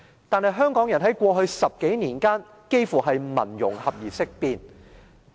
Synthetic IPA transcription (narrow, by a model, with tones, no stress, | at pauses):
t̪aː˨˧nhɐ˨˧jɦœː˥ŋkɔː˨˥ŋjɐ˨˩nɦɐ˨˥jkʷɔː˧ɦɵ˧ɥsɐ˨p̚ke˨˥jniː˨˩nkaː˥n | ke˥jfuː˨˩ɦɐ˨jmɐ̰˨˩njʊ̰˨˩ŋhɐ˨p̚jiː˨˩sɪ˥k̚piː˧n